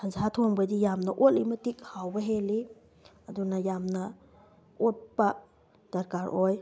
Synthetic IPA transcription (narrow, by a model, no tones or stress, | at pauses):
hɐzatʰoŋbɐdijamnɐʔolimɐtikhawbɐɦeli | ɐdunɐjamnɐ | ot̚pɐ | d̥ɐɾkaɾʔoj